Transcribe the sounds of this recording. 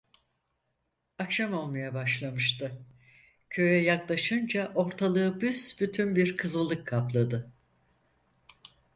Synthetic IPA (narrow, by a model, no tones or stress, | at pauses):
akʃamo̞lˠmajabaʃlˠamɯʃt̪ʰɯ | cʰø̞jɛjaklˠaʃɯnd͡ʒaʔo̞ɾt̪ʰalˠɯːbysbyt̪ʰynbiɾkʰɯzɯlˠːɯkʰːaplˠad̪ɯ